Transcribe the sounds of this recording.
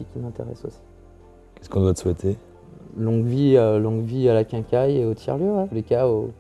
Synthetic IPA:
ikʲimɛ̃t̪ḛʁɛ̰so̰si̥ | kʲɛ̥skɔ̃d̪wat̪swɛt̪ʰe | lɔ̃ɡviølɔ̃ɡvialakʲɛ̃kʲajeot̪ʰjɛ̰ʁløwɛləkʲao

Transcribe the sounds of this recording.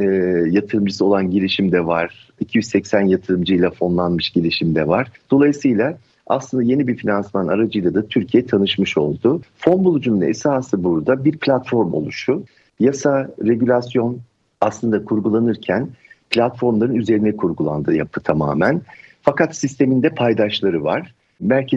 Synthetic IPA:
jat̪ʰɯɾɯmd͡ʒɯsɯo̞lˠanɟiɾiʃimd̪ɛvaɾ̥ | icʰijyzsɛcsænjat̪ʰɯɾɯmd͡ʒɯjlˠafo̞nlˠanmɯʃɟilʲiʃimd̪ɛvaɾ̥d̪̥o̞lˠajɯsɯjlˠa | a̰slˠɯnd̪aje̞nibiɾfinansmannaɾad͡ʒɯjlˠad̪at̪ʰyɾcʰijɛt̪ʰanɯʃmɯʃo̞̰lˠd̪ʊfo̞nbulˠud͡ʒununḛsaːsɯbuɾd̪abiɾpʰlʲat̪fo̞ɾmo̞̰lˠuʃʊ | jasaɾe̞ɟylʲasjo̞n | aslˠɯnd̪akʰuɾɡulˠanɯɾcʰænpʰlʲat̪fo̞ɾmlˠaɾɯnyze̞ɾinɛkʰuɾɡulˠa̰nd̪ɯːjapʰɯ̥t̪ʰama̰ːmænfakʰat̪sist̪ʰe̞mind̪ɛpʰajd̪aʃlˠaɾɯvaɾ̥ | mæɾcʰe

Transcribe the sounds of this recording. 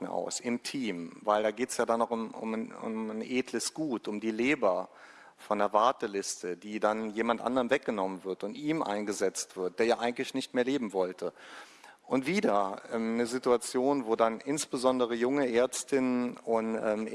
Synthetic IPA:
n̩a̰ʊsɪmtʰiːmvaɪldaːɡeːtə̥sjaːdanːɔʊʊ̰mʊ̰mnʔeːdləsɡ̥uːtʊmdiːleːbɐ | fɔndeːɐvaɐtəlɪstʰəd̥iːdanjeːmantʔa̰ndəʁənvɛk̚ɡ̥ənɔmənvɪɐtʊntʔiːmʔa̰ɪnɡəzɛt͡stv̥ɪɐt̚d̥eːɐjaːʔaɪɡŋ̩tlɪçnɪçtmeːɐleːbm̩vɔltʰə | ʔʊntv̥iːdɐʔɛmnəzɪtuat͡sjoːnvoːdanʔɪnsb̥əzɔndəʁ̞əjʊŋəʔeːɐt͡stɪnənʔʊnʔɛːm

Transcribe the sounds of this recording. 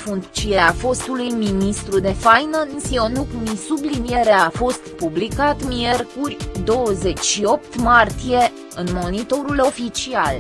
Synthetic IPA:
fuŋt̪t͡ʃieafo̞st̪ulujminist̪ɾud̪e̞fajnənsio̞nukmisublinije̞ɾeafo̞st̪publikat̪mie̞rkurʲd̪o̞wəze̞t͡ʃʲʃio̞p̚t̪mart̪ije̞ | ɨnmo̞nit̪o̞ɾulo̞fit͡ʃial

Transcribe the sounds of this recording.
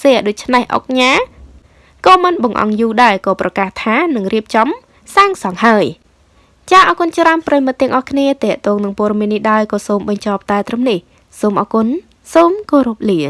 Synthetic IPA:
sɛəɗoːc̚t͡ɕʰnehʔo̰k̚ɲaː | kɑːmɨnɓɑŋʔɑ̰ŋjuːɗaɛkɑːprɑkaːht̪ʰaːnɨŋriəp̚t͡ɕɑm | saːŋsɑŋhaəj | t͡ɕaːʔɑːkunt͡ɕraənprajimɨt̪ːɛ̆əŋʔɑhkʰniət̪ɛ̆əʔt̪ɔːŋnɨŋpɔəɗɑmiənːihɗaɔjkɑːsoːmɓɑɲt͡ɕɑp̚t̪aɛt̪rɨmnih | soːmʔɑːkun | soːmkoːɾup̚liən

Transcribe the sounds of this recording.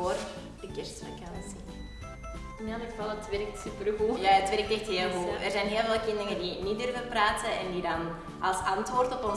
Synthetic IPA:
oːr | dəkɛrstəməkansi | nadəkəvɑlˠətʋɛrk̚tsypərɣujaːətʋɛɾk̚tɛxtɦeːlˠɣuərzɛjnɦeːlˠveːlˠkɪndəŋədinidørvənpraːtəɛndidɑn | ʔɑlˠsɑntʋoːrtɔpɔn

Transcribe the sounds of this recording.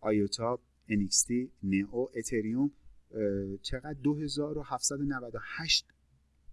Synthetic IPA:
ʔɒjot̪ʰɒb̚ | enikst̪ineʔoʔet̪ʰeɾium | t͡ʃʰeɣæd̪̚ːoɦe̞zɒːɾo̞hæft̪sæd̪onævæd̪ohæʃt̪̚

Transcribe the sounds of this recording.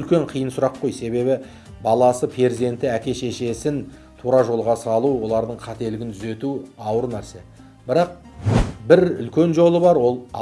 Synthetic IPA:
lkʲe̞ɴqʰijənsʊɾɑqːo̞jse̞βe̞bɪ | bɑlˠɑsəpʰe̞ɾzie̞nt̪ɪækʲe̞ʃe̞ʃe̞sɪn | t̪ʰuɾɑʒo̞lˠʁɑsəɑlˠuwo̞lˠɑɾd̪əɴqʰɑt̪e̞lɪɡʲɪnt̪ʰʏze̞t̪uɑwəɾnæɾse̞ | bɪɾɑq̚ | bɪɾʏ̰lkʲe̞nʒo̞lˠəbɑɾwo̞lˠ

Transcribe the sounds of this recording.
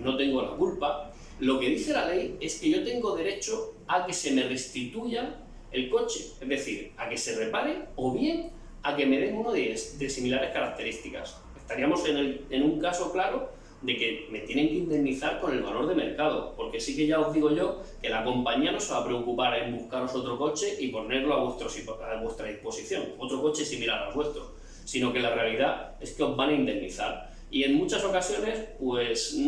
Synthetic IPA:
no̞t̪e̞ŋɡo̞la̰kulpa | lo̞ke̞ð̞iθe̞lale̞je̞ske̞ʝo̞t̪e̞ŋɡo̞ðe̞ɾe̞t͡ʃo̞ake̞se̞me̞re̞st̪it̪uʝa | e̞lko̞t͡ʃeezðe̞θiɾake̞se̞re̞paɾeo̞βje̞ŋ | ake̞me̞ðe̞ŋunoðed̪e̞similaɾe̞hkaɾak̚t̪e̞ɾist̪ika̰s | e̞st̪aɾiamo̞senele̞nuŋkaso̞klaɾo̞ | d̪e̞ke̞me̞t̪je̞nẽ̞ŋkeind̪e̞niθaɾko̞ne̞lβalo̞ɾð̞e̞me̞ɾkað̞o̞̰po̞ɾke̞sike̞ʝaoɦðiɣ̞o̞ʝo̞ | ke̞lako̞mpaɲiano̞seβapɾe̞okupaɾe̞mbuhkaɾo̞so̞t̪ɾo̞ko̞t͡ʃe̞ʔipo̞ne̞ɾlo̞awet̪ɾosiaβwe̞st̪ɾaðihpo̞siθjo̞̰ŋo̞t̪ɾo̞ko̞t͡ʃesimilaɾa̰oβwe̞st̪ɾo̞ | sino̞ke̞lare̞aliðae̞ske̞o̞zβanaind̪e̞nniθa̰ɾ | ie̞ŋmut͡ʃaso̞kasjo̞ne̞spwe̞s

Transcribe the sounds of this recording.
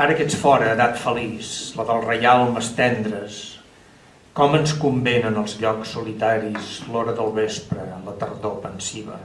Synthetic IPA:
aɾəkɛt͡sfɔɾəːðat̪fəlisləðəlˠrəjalˠməst̪ɛnd̪ɾəs | kɔmənskumbenənəlˠzʎɔksːulit̪aɾizlɔɾəðəlˠβespɾəːlət̪ərðopənsiβə̰

